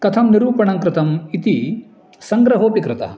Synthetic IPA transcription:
kɐt̪ʰɐmniɾuːpɐɳɐŋkɾɪt̪ɐmit̪i | sɐŋɡɾɐɦoːpikɾɪt̪ɐ̰ɐ

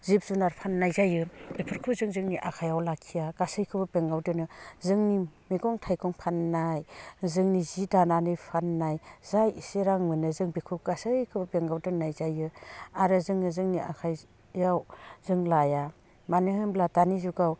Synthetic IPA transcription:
zip̚zunaɾpʰanːajzajɯbepʰɯɾkʰuzɯŋzɯŋniʔakʰajawlakʰijaɡ̥asɯjkʰɯbɯbeŋɡawdɯnɯzɯŋnimeɡɔŋtʰajkʰɔŋpʰanːajzɯŋnizidananɯjpʰanːajzajiseɾaŋmɯnɯzɯŋbikʰuɡ̥asɯjkʰɯbɯbeŋɡawdɯnːajzajɯaɾɯzɯŋnɯzɯŋniʔa̰kʰaj | jawzɯŋlaja | manɯhɯmbladanizuɡaw

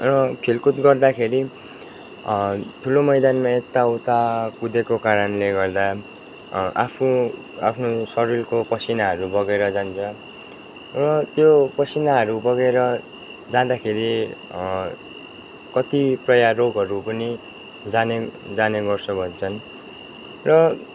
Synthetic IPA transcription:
rʌpʰilkut̪ɡʌrd̪akʰeɾi | t̪ʰulomʌjd̪anmaet̪ːawt̪akud̪ekokaɾʌnleɡʌrd̪a | a̰pʰnu | a̰pʰnosʌrilkopʌsinaɦʌɾubʌɡeɾʌd͡zant͡sʰʌ | rʌt̪jopʌsinaɦʌɾubʌɡeɾʌ | d͡zãd̪akʰeɾi | kʌt̪iprʌjaroɡʱɦʌɾupʌni | d͡zaned͡zaneɡʌrsʰʌbʱʌnt͡sʰʌn | rʌ

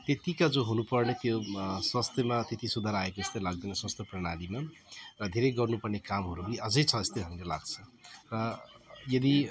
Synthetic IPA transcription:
t̪et̪ikad͡zoɦunupʌrnet̪joswʌst̪jʌmat̪et̪isud̪ʱaɾaekoest̪ʌjlaɡ̚d̪ʌjnʌswʌst̪jʌprʌɽ̃alima | rʌd̪ʱeɾʌjɡʌrnupʌrnekamɦʌɾuɦɾiʌd͡zʌjt͡sʰʌest̪ʌjɦʌmɾelaɡt͡sʰʌrʌjʌd̪i

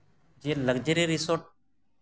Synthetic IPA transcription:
d͡ʒeːləɡd͡ʒeɾeɾisoʈ

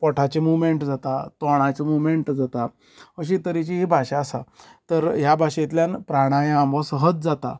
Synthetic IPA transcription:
pɔʈʰat͡ɕemumeɳʈd͡zat̪at̪ɔɽ̃at͡ɕemumeɳʈd͡zat̪a | əɕ̬it̪əɾit͡ɕiɦibʱaɕaːsat̪əɾjabʱaɕet̪ljanpɾaɽ̃ajãambəsəɦət̪̚d͡zat̪a̰

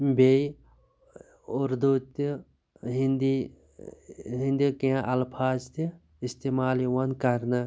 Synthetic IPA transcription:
bei | ʊɾd̪ut̪i | ɦind̪i | ɦind̪ikiãʔɐlpʰaːzt̪i | ist̪emaːliwɐnkɐɾnɐ

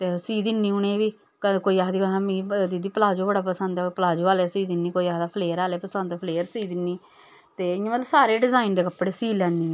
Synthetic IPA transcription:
t̪eːsiːd̪ɪnːiːʊɳẽːʋiː | kəkoːiːaːɦd̪iːɦamĩːd̪id̪iːpəlaːd͡ʒoːbəɽaːpəsənd̪ɛːpəlaːd͡ʒoːaːlɛːsiːd̪ɪnːiːkoːiːaːɦd̪aːpʰleːəɾaːleːpəsənd̪pʰəleːəɾsiːd̪ɪnːiː | t̪eːɪãʋəlsaːɾeːɖɪzaːɪnd̪eːkəpːɽeːsiːlɛ̃ːnd̪iːɛ̃

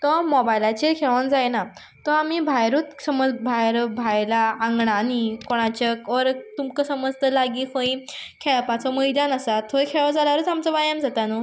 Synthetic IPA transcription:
t̪ɔmɔbajlat͡ɕekʰeɭənd͡zajena | t̪ɔamibʱajɾuːt̪səməd͡zbʱajɾbʱajlãːŋɡɳanikoɽ̃at͡ɕəkɔɾt̪umkəsəməd͡zt̪əlaɡiːfə̃ĩkʰeɭpat͡sɔməjd̪anasat̪ʰokʰeɭɔd͡zalaɾuːt̪amt͡səbajãmd͡zat̪anɔ

